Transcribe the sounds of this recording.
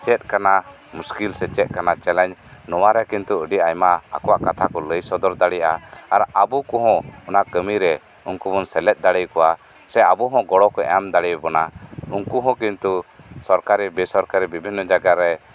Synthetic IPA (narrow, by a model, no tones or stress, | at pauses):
t͡ʃɛt̪̚kana | muskilsɛt͡ʃɛt̪̚kanat͡ʃɛlɛɲnɔwaɾɛkint̪uəɖiʔajma̰ːkɔwaʔkat̪ʰakɔləjsɔd̪ɔɾd̪aɽijaaɾabukɔɦɔ̃ɔnaʔkəmiɾɛ | uŋkubɔnsɛlɛt̪̚d̪aɽəjkɔwa | sɛabuɦɔ̃ɡɔɽɔkɔɛ̰amd̪aɽijbɔnauŋkuɦɔ̃kint̪usɔɾkaɾibɛsɔɾkaɾibibʱinːɔd͡ʒaɡaɾɛ